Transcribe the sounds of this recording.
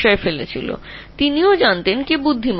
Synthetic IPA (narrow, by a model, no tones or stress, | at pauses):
ɔefelet͡ɕʰḭlo̰t̪iniod͡ʑant̪enkebud̪ʱːim